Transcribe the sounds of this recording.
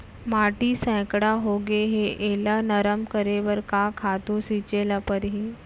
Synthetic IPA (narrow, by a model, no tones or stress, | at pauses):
maːʈisɛ̃ːkɽaɦoɡeɦeʔelanəɾəmkəɾeʋəɾkakʰaːt̪ũsiːt͡ʃelapəɾɦiː